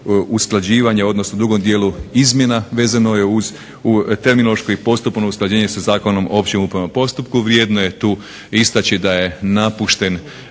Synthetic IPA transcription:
usklˠad͡ʑiːʋaɲeo̞d̪no̞snod̪uɡo̞md̪je̞ːluizmje̞naʋe̞ːzano̞je̞uz | ut̪e̞ɾminoloʃkoipo̞st̪upnousklˠad͡ʑeːɲesazaːko̞no̞moopt͡ɕemupɾamapo̞st̪up̚kuʋɾje̞ːd̪no̞je̞t̪uː | ist̪at͡ɕid̪aje̞napuʃt̪e̞n

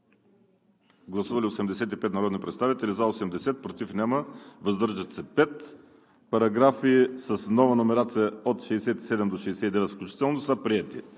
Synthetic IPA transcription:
ɡlˠɐsuvɐliosɛmd̪ɛsɛt̪ipɛt̪nɐɾɔd̪nʲipɾɛt̪st̪avit̪ɛlizaosɛmd̪ɛsɛt̪̚pɾot̪ifnʲɛməvɐzd̪ɤɾʒət̪sɛpɛt̪ | pɐɾɐɡɾafiːsɐsnɔvɐnomɛɾat̪sijəot̪ʃɛːsɛt̪i̥sɛd̪ɛmd̪oʃɛsɛt̪id̪ɛvɛt̪fklʲut͡ʃit̪ɛlˠnosəpɾiɛt̪ḭ

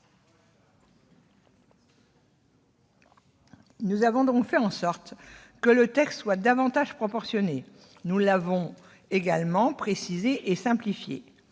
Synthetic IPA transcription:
nuzavɔ̃d̪ɔ̃kfɛɑ̃sɔʁt̪kələt̪ɛkst̪swad̪avɑ̃t̪aʒpχɔpɔʁsjɔne | nulavɔ̃ | eɡalmɑ̃pχesizeʔesɛ̃plifjḛ

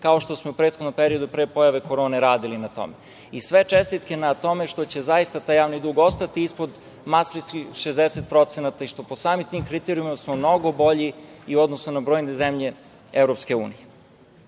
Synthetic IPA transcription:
kao̞ʃt̪osmoupɾet̪xod̪no̞mpeɾio̞d̪upɾeːpo̞jaʋe̞ko̞ɾo̞ːneɾaːd̪ilinat̪o̞̰me | isʋe̞t͡ʃest̪it̪kenat̪o̞me̞ʃt̪o̞t͡ɕe̞zajist̪at̪aːjːaːʋnid̪uːɡo̞st̪at̪iispo̞d̪ | masɾiskixʃezd̪eset̪̚pɾo̞t̪senat̪aiʃt̪o̞posaːmit̪imkɾit̪eɾiuimasmomno̞ɡo̞bo̞ʎiiuod̪nosunabɾo̞ːjnezemʎe̞ | evɾo̞pske̞ṵːnije

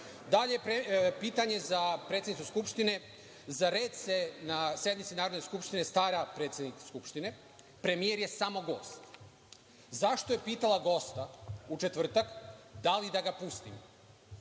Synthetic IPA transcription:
d̪aʎejpɾepiːt̪aɲe̞zapɾet̪sʲenit̪suskupʃt̪ine̞ | zaɾet̪senasje̞d̪mit̪sinaːɾo̞d̪ne̞skupʃt̪ine̞st̪aːɾapɾe̞ːt̪sjed̪nikskupʃt̪ine̞ | pɾe̞mijeɾje̞samo̞ɡo̞ːst̪ | zaʃt̪o̞jepiːt̪alˠaɡo̞st̪aut͡ʃe̞t̪ʋr̩t̪akd̪alid̪aɡapust̪ḭm

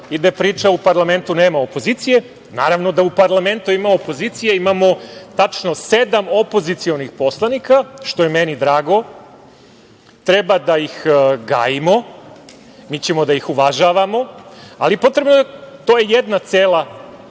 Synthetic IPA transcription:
id̪apɾiːt͡ʃaupaɾlˠame̞nt̪uneːmaopo̞zit̪sije̞ | naːɾaʋno̞d̪aupaɾlˠame̞nt̪uimaopo̞ziːt̪sijeimamo̞t̪at͡ʃno̞sed̪amopo̞zit̪sio̞nixpo̞slˠanikaʃt̪ojemenid̪ɾaːɡo̞ | t̪ɾebad̪aixɡa̰ːjimo̞ | miːt͡ɕe̞mo̞d̪aixuʋaʒaːʋamo̞aliepo̞t̪ɾe̞bnot̪oːjejed̪nat̪seːla

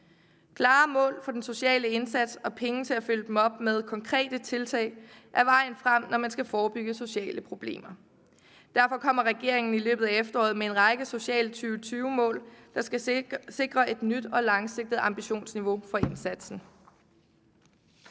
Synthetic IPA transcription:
kʰlɑ̈ːmɔ̰̽ːlfɒ̽d̥enso̝ɕɛ̰ːləe̝nsæd̥sɒ̽pʰeŋət͡sʰe̝æfyl̰d̥emɒ̽b̥með̞ˠkʰɒ̽ŋkʰʁɛ̰ːd̥ət͡sʰe̝lt͡sʰɛ̰ːɪʔæʋɑ̈ɪ̰n̩fʁam̰nɒmænsɡ̥æfɒːb̥yɡ̥əso̝ɕɛ̰ːləpʰʁo̝b̥le̝̰ːmɐ | d̥æɐfɒ̽kʰɒ̽m̰ɐʁɛɡ̥e̝ɐ̰e̝ŋn̩ilø̰ːb̥ð̩ˠæefd̥ɐɒ̰ːð̩ˠmee̝nʁɑ̈ɡ̥əso̝ɕɛ̰ːlt͡sʰyːʊət͡sʰyːʊmɔ̰̽ːld̥ɑ̈sɡ̥æse̝ɡ̥ʁɐʔe̝d̥nyd̥ɒ̽lɑ̈ŋse̝ɡ̥̚d̥ð̩ˠɑ̈mb̥iɕo̝̰ːnsniʋo̝fɒ̽e̝nsæd̥sn̩

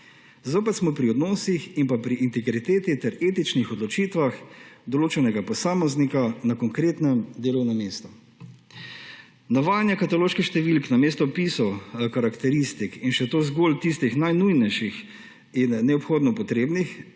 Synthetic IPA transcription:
zoːpɛt̪smɔpɾiɔd̪nɔːsiximpapɾiʔint̪ɛɡɾit̪eːt̪it̪ɛɾeːt̪it͡ʃnixɔd̪lɔt͡ʃiːt̪ʋaxd̪ɔloːt͡ʃɛnɛɡapɔsaːmɔznikanakɔŋkɾeːt̪nɛmd̪eːlɔwnɛmeːst̪ɔ | nɔʋaːjnjɛkat̪aloːʃkixʃt̪ɛʋilknameːst̪ɔpisɔwkaɾakt̪ɛɾist̪ikinʃɛt̪oːzɡoːlt̪ist̪ixnajnujnɛjʃix | inːɛɔpxoːd̪nɔpɔt̪ɾeːbnix

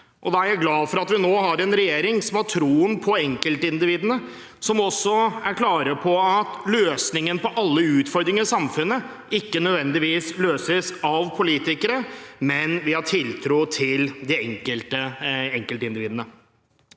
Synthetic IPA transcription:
ʔɔd̪ɑæɾjæɪɡlɑːd̪fɔɾɑt̪ʋɪnoːɦɑɾɛnɾɛjeːɾɪŋsɔmhɑʈʰɾuːənpʰɔɛŋkəlt̪əɪnd̪ɪʋiːd̪ənə | sɔmɔsːɔæɾkʰlɑːɾəpʰɔɑt̪løːsnɪŋənpɔʔɑlːəʉːt̪fɔɾd̪ɾɪŋəsɑmfʉnːə | ɪkːənœd̪ʋɛnd̪ɪʋiːsløːsəsɑʋpʰʊliːt̪ɪkəɾəmɛnʋɪhɑʈʰɪlt̪ʰɾuːt̪ʰɪld̪ɪɛŋkəlt̪əɛŋkəlt̪əɪnd̪ɪʋiːd̪ənə

